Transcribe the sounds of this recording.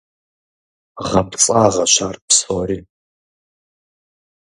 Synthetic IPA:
ʁɐpt͡sʼaːʁɐʃaːrpsoɾiː

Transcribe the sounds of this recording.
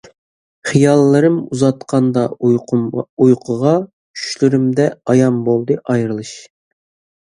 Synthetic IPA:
χijɑlˠːɨɾɨmuzɑt̪qʰɑnd̪ɑ | ujqʰəʁɑ | kʰy̥ʃlyɾymd̪ɛɑjɑmbolˠd̪ɨʔɑjɾɨlˠɨʃ

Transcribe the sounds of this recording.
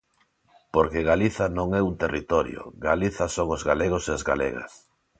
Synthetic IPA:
poɾkeɣaliθanõŋɛunt̪erit̪ɔɾjo̰ɡaliθasoŋozɣaleɣoseazɣa̰lḛɣa̰s

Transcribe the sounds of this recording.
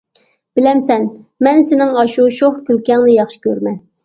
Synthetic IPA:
b̥ɪlɛmsɛnmɛnsɪnɪŋɑʃuʃoχkʲʰylkʲɛŋnɨjɑχʃi̥kʲøɾmɛn

